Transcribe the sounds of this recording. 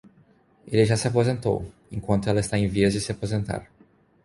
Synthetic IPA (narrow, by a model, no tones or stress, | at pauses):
elɪʒasɪapozẽnt̪o̰w | ẽŋkwɐ̃nt̪ʊɛlɐɪst̪aẽj̃viɐzd͡ʒɪsɪapozẽnt̪a̰ɾ